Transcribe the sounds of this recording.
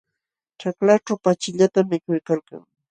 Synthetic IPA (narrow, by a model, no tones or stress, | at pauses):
ʈ͡ʂaklaʈ͡ʂawpat͡ʃɪʎat̪amːɪkʊjkalka̰ŋ